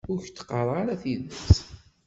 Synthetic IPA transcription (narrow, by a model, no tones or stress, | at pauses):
ʊɾçt̪ːqərˤɑɾæθiðəs